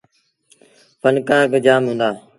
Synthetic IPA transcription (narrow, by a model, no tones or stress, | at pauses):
fənkaːɡd͡ʒaːmɦʊ̃ːnd̪aː